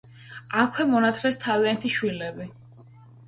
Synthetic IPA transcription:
akʰwɛmɔnat̪ʰlɛst̪ʰaviant̪ʰiʃwilɛbi

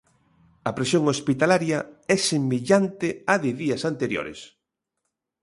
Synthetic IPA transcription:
ɐpɾesjoŋospit̪alaɾjɐɛsemeʎant̪ɪaðɪðiɐsant̪eɾjo̰ɾḛs

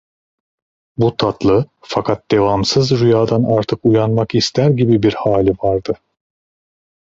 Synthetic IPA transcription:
but̪ʰat̪lˠɯ | fakʰat̪̚d̪̥e̞vamsɯzɾyjaːd̪anaɾt̪ʰɯkujanmakist̪ʰæɾɟibibiɾhaːlʲivaɾd̪ɯ

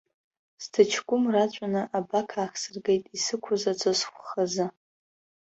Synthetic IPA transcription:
stʰɨt͡ʃʰɡʷʼʊmrat͡ʃʷʼanaʔabakʰaːxsɨrɡejtʼisɨkʷʰʊzat͡sʷʰʼasχʷχazɨ

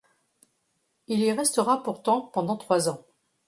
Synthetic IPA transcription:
iliʁɛst̪əʁapuʁt̪ɑ̃pɑ̃d̪ɑ̃t̪χwazɑ̃

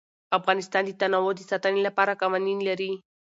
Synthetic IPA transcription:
afɣanist̪and̪it̪anawod̪isat̪anilapaɾakawaninlaɾi

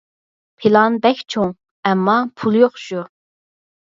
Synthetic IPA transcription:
pʰilˠɑnbɛkʲt͡ʃʰoŋ | ɛmːɑpʰulˠjoχʃu

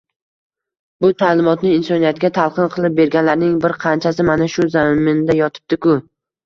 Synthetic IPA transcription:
bʊt̪ʰalɪmɒt̪nɪːnsɒnijat̪ɡʲat̪ʰalˠqɨnqʰɨlˠɪp̚be̞ɾɡʲanlaɾnɪŋbɪɾqʰɑnt͡ʃʰas̬ɪmanaʃʊzamɪnd̪ajɒt̪ʰɪ̥p̚d̪ɪkʊ

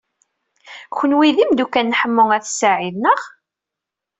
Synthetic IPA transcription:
çənwiðimd̪ukːænːħəmːʊŋæθsaʕiðnəʁ

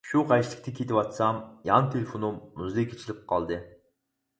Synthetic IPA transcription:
ʃuqʰɑjslˠɪk̚t̪ikʲʰet̪ipɑt̪sɑmjɑnt̪ʰʲelʲefonumːuzlˠekʲʰet͡ʃilʲip̚qʰɑlˠd̪ɨ

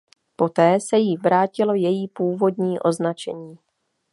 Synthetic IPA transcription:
po̞t̪ɛːsɛjivɾaːcɪlo̞jɛjiːpuːvo̞dɲiːʔo̞znat͡ʃɛ̰ɲiː

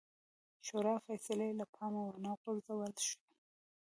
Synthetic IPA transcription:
ʃoɾɑfasɪlelapʰɑmawanɑqʊɾzawəlʃi̥

